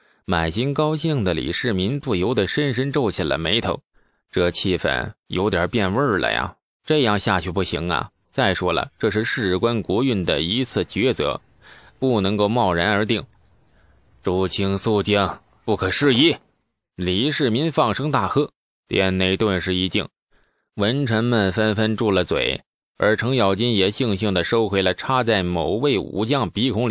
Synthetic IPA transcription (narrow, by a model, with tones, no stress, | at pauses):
ma˨˩nɕi˥ŋkɑ˥ʊɕi˥˩ŋd̪ə˩lḭ˨˩ʂɻ̩˥˩mi˧˥npu˥˩jo˧˥ʊd̪ə˨˩ʂə˥nʂə˥nʈ͡ʂo˥˩ʊt͡ɕʰi˨˩lə̰˦me˧˥ɪt̪ʰo˧˥ʊ | ʈ͡ʂɤ˥˧t͡ɕʰi˥˩fə̰˨˩njo˧˥ʊt̪jɑ˨˩pjɛ˥˧nwə˞˥˩lə̰˨˩ja̰˩ | ʈ͡ʂɤ˥˧jɑ˥˧ŋɕja˥˧t͡ɕʰy˥˧˩pu˥˩ɕi˧˥ŋɐ̰˧ | t͡sa˥˩ɪʂwɔ˥lə̰˨ʈ͡ʂɤ˥˧ʂ̬ɻ̩˥˧ʂɻ̩˥˩ɻkwa˥nkwɔ˧˥y˥˩nd̪ə̰˩i˧˥t͡sʰɹ̩˥˩t͡ɕɥɛ˧˥t͡sɤ̰˧˥ | pu˥˩nɤ˧˥ŋko˥˧ʊmɑ˥˩ʊɻa˧˥nə˞˧˥t̪i˥˩ŋ | ʈ͡ʂu˧˥˩t͡ɕʰi˥ŋsu˥˧t͡ɕi˥˩ŋ | pu˥˩kʰɤ˨˩ʂɻ̩˥˧i˥˩ | li˧˥ʂɻ̩˥˩mi˧˥nfɑ˥˩ŋʂɤ˥ŋt̪a˥˩xɤ˥ | t̪jɛ˧˥nne˧˥ɪt̪wə˥˧nʂɻ̩˥˧˩i˧˥t͡ɕi˥˩ŋ | wə˧˥nʈ͡ʂʰə˧˥nmə˧nfə˥nfə˥nʈ͡ʂu˥˩lə˩t͡swḛ˨˩˦ɪ | ə˞˧˥ʈ͡ʂʰɤ˧˥ŋjɑ˨˩ʊt͡ɕi˥njɛ˨˩ɕi˥˧ŋɕi˥˩ŋd̪ə˩ʂo˥ʊxwe˧˥ɪlə˧ʈ͡ʂʰa˥t͡sa˥˩ɪmo˨˩ʊwe˥˩ɪṵ˧˥t͡ɕjɑ˥˩ŋpi˧˥kʰʊ˧˥ŋli˨˩˦